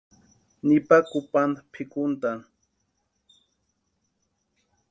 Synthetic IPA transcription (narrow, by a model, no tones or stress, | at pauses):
nɪpakʊpanpʰɪkʊnt̪a